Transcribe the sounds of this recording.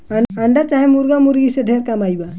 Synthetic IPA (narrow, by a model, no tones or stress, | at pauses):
aaɳɖat͡ʃaɦemuɾɡamuɾɡiseɖʱeɾkamajba